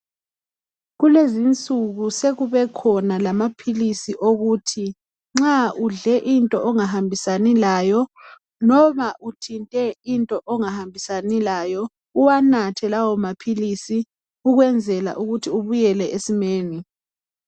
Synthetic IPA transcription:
ɣulezint͡sʼuɣuseɣuβɛkʰɔnalamapʰilisiʔoɣutʰi | ŋ͡ǁauɮɛʔintʼɔʔɔŋaɦambʱisanilaːjɔ | nɔmaʔutʰintʼɛintʼɔʔɔŋahambʱisanilajɔ | uwanatʰɛlawɔmapʰilisi | uɣwɛnd͡zʱɛla̰ʔuɣutʰiuβujɛlɛʔesimeːni

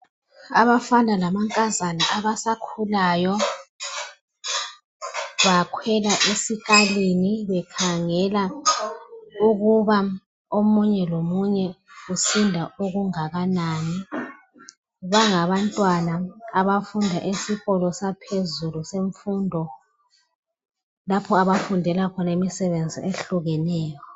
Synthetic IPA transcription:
aβafandʱalamaŋkʼazanaʔaβasakʰulajɔ | βakʰwɛlaʔesikʼaliniβɛkʰaŋɛla | uɣuβa | omuɲɛlomuɲɛusindʱaʔoɣuŋaɣanaːni | βaŋaβantʼwanaːβafundʱaʔesiɣɔlɔsapʰezuluseɱfundʱɔ | lapʰɔaβafundʱɛlakʰɔnemisɛβend͡zʱiʔeɬuɣɛnɛːjɔ

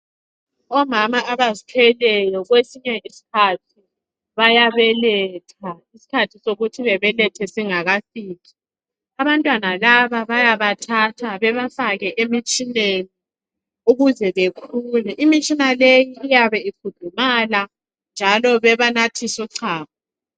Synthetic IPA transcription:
ɔmamaʔaβazitʰɛlɛjɔɣwesiɲɛʔisi̥kʰatʰi | βajaβɛlɛtʰaisi̥kʰatʰisoɣutʰiβɛβɛlɛtʰɛsiŋaɣasiːki̥ | aβantʼwanalaβaβajaβatʰatʰaβɛβafaɣɛʔemit͡ʃʼineni | uɣuzɛβekʰuːlɛʔimit͡ʃʼinalejiːjaβɛikʰud̥ʱumala | nd͡ʒʱalɔβɛβanatʰisuǀʰaːpa

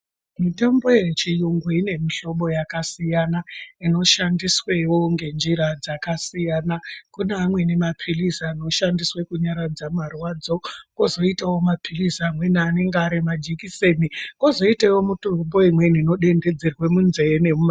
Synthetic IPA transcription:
mitambo̞jet͡ʃijuŋɡuine̞miɬo̞ɓo̞jakasijanaino̞ʃandiswewoŋɡe̞nd͡ʒiɾad͡zakasijaːnakunaːmwe̞ne̞mapʰilisaːno̞ʃandiswekuɲaɾad͡zamarwaːd͡zo̞kozo̞itawo̞mapʰilisamwe̞naaːne̞ŋɡaaɾimad͡ʒikise̞nikozo̞itewomutombo̞imwe̞nino̞ɗe̞nde̞d͡zerwe̞munzene̞mum

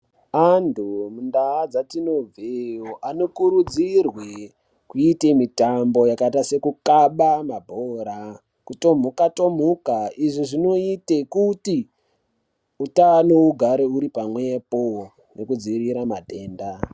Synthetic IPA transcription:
antʰumundaːd͡zatino̞b͡vejoʔano̞kuɾud͡zirwe | kuitemitambo̞jakaitase̞kukaɓamabʱoːɾa | kuto̞m̤ukato̞m̤ukaiʐiʐino̞itekuti | utano̞uɡʱaɾeuɾipamwe̞po | ne̞kud͡ziɾiɾamate̞ːnda

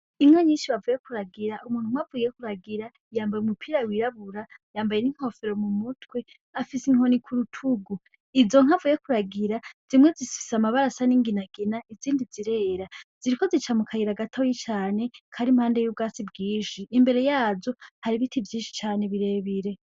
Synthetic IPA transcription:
iŋaɲiːnʃiβavujekuɾaɡiɾaʔumuːn̥huŋ̥avuje̞kuɾaɡiɾa | jaːmbajumupʰiːɾawiɾaβuɾajaːmbaje̞niŋ̥ho̞feɾo̞mumutwe̞ | afisiŋho̞nikʰuɾutʰuɡu | izo̞ŋ̥havuje̞kuɾaɡiɾaz̥imŋezisi̥fisamaβaɾasaniŋɡinaɡinaiziːndiziɾe̞ːɾaz̥iɾiko̞zit͡ʃamukʰaɡiɾaɡatʰojit͡ʃaːne̞kʰaɾimhaːndejub̚ɡaːt͡sibɡiːʃiʔːmbe̞ɾe̞jaːzohaɾiβitivjiːnʃi̥t͡ʃaːne̞βiɾe̞βiɾe̞

